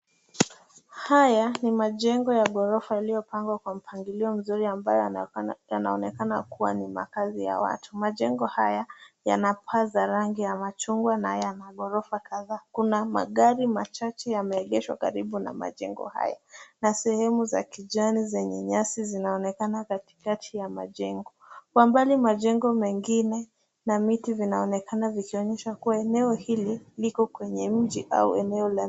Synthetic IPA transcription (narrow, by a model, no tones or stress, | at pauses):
hajanimaʄɛŋɡɔjaɠɔɾɔfajalijɔpaŋɡwakwam̩pʰaŋɡiliɔm̩zuɾiambajɔjanaɔnɛkanakuwanima̰kazija̰wa̰tumaʄɛŋɡɔhajaja̰napʰazaɾaŋɡijamat͡ʃuŋɡwanajanaɠɔɾɔfakaðaːkunama̰ɠaɾimat͡ʃat͡ʃɛjamɛːʄɛʃwa̰ka̰ɾiɓuna̰ma̰ʄɛ̰ŋɡɔ̰ha̰ja̰nasɛhɛmuza̰kiʄanizɛɲɛɲasizinaɔnɛkanakati̥katʰijama̰ʄɛŋɡɔkwambalimaʄɛŋɡɔmɛŋɡinɛ | namitivinaɔnɛkanavikiɔɲɛʃakuwaɛnɛɔhililikɔkwɛɲɛm̩d͡ʒiʔa̰ṵɛnɛɔla